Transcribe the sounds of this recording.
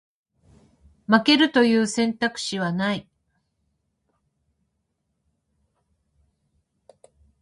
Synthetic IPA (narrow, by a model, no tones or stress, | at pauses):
make̞ɾɯ̟t̪o̞jɯ̟ːsẽ̞nt̪akɯ̟̥ɕiβanai